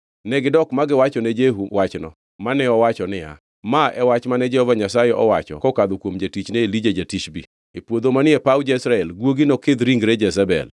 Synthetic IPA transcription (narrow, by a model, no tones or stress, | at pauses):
nɛɡɪdɔkmaɡɪwat͡ʃɔned͡ʒeɦuwat͡ʃnɔ̰ | manɛɔwat͡ʃɔnɪja̰ | maʔɛwat͡ʃmanɛd͡ʒɛhɔvaɲasajɛʔɔwat͡ʃɔ̰kɔkad̪okwomd͡ʒatit͡ʃneelid͡ʒad͡ʒatit͡ʃbḭ | epwod̪omanɪɛpawd͡ʒɛsɾaɛlɡwoɡinɔked̪ɾiŋɡɾɛd͡ʒɛzabɛ̰l